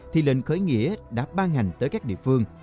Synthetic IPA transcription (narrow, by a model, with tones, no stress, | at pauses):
t̪ʰi˨˩lḛ˧˨nxəː˨˦jŋḭ˧˥əɗa̰ː˨˩˥ɓaː˧nŋa˨˩jŋ̟t̪əː˨˦jkaː˦˥k̚ɗḭ˧˨əfɨ˧əŋ